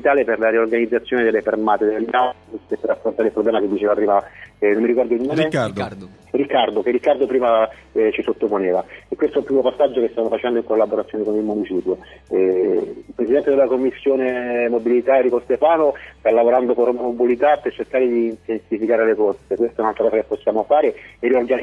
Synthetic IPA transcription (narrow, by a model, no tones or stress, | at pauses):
it̪aːleperlaɾiorɡanid̪zːat̪sːjoːned̪elːefermaːt̪ed̪lːast̪epːerːafɾont̪aːɾeilpɾoblɛːmaked̪ːit͡ʃeːvarːiːvanomːiɾikɔrd̪oɲːoːmed̪ | rikːard̪okeːikːard̪opɾiːmat͡ʃisot̪ːoponeːvaekːwest̪oɛilpɾimopasːad͡ʒːokest̪anːofat͡ʃɛnd̪oiŋkolːaboɾat̪sjonekonilmunit͡ʃiːpjoɛilpɾesid̪ɛnt̪ed̪elːakomːisːjoːnemobilit̪aerikosst̪epaːnost̪alːavoɾand̪okormmobulit̪apːert͡ʃerkaːɾed̪iːnt̪ensifikaːɾelekorsekwest̪aɛunalt̪ɾakɔszakepːosːjaːmofaːɾeeɾiorɡa